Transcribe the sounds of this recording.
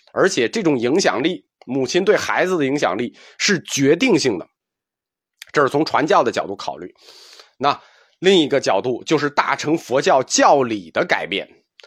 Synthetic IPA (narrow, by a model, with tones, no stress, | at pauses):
ə˞˧˥t͡ɕʰjɛ˨˩ʈ͡ʂɤ˥˩ʈ͡ʂʊ˨˩ŋi˧˥ŋɕjɑ̰˨˩ŋli˥˩ | mu˨˩t͡ɕʰi˧˥nt̪we˥˩ɪxa˧˥ɪd͡zɹ̩˧d̪ə˩i˧˥ŋɕjɑ̰˨˩ŋli˥˩ | ʂɻ̩˥˩t͡ɕɥɛ˧˥t̪i˥˧ŋɕi˥˩ŋd̪ə̰˩ | ʈ͡ʂɤ˥˧ʂɻ̩˥˩t͡sʰʊ˧˥ŋʈ͡ʂʰwa˧˥nt͡ɕjɑ˥˩ʊd̪ə˩t͡ɕjɑ˨˩ʊt̪u˥˩kʰɑ˨˩ʊly̰˥˩ | na˥˧ | li˥˩ŋi˧˥ɡə˧t͡ɕjɑ˨˩ʊt̪u˥˩t͡ɕjo˥˧ʊʂ̬ɻ̩˥˧t̪a̰˥˩ʈ͡ʂʰɤ˧˥ŋfwɔ˧˥t͡ɕjɑ˥˧ʊt͡ɕjɑ˥˩ʊli˨˩d̪ə˦ka˨˩ɪpjɛ̰˥˩n